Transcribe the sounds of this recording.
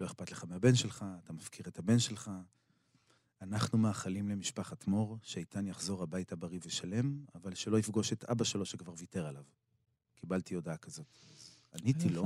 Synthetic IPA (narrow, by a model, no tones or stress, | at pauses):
lo̞e̞χpat̪le̞χameabe̞nʃelχaːtamafkʰiʁetabe̞nʃe̞lχa | anaχnumaːχalimle̞miʃpaχatmo̞ʁʃeajtʰanjaχzo̞ʁhabajtabaʁiveʃale̞mavalʃe̞lo̞ifɡo̞ʃe̞t̪a̰baʃe̞lo̞ʃekvaʁviteʁalav | kibaltio̞dakazo̞t | anitilo